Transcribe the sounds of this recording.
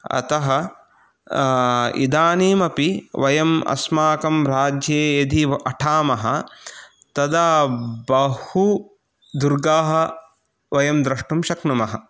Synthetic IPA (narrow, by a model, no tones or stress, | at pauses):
ɐ̰t̪ɐɦɐ | ḭd̪aːniːmɐpiʋɐjɐmɐ̰smaːkɐmɾaːd͡ʒjeːjɐd̪ʱiʔɐʈʰaːmɐɦɐ | t̪ɐd̪aːbɐhu | d̪uɾɡaːɦɐ̆ | ʋɐjɐmd̪ɾɐʂʈumʃɐknɐmɐɦɐ̰